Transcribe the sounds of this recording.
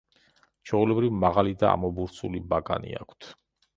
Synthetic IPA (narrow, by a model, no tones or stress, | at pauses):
t͡ʃʰɔulɛbɾivmaʁalid̪aa̰mɔbuɾt̪sʰulibaɡa̰nḭakʰt̪ʰ